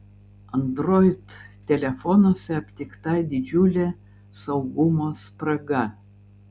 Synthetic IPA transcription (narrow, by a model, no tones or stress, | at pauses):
ɐnd̪ɾoɪt̪tʲːɛlʲɛfɔnoːsʲɛɐpʲt̪ʲɪkt̪ɑjd̪ʲɪd͡ʒʲulʲe | sɐʊɡumoːspɾɐɡɐ